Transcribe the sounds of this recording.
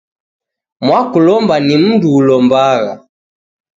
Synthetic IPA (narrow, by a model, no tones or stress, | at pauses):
mwakulɔmbanim̩nduːlɔmbaɣa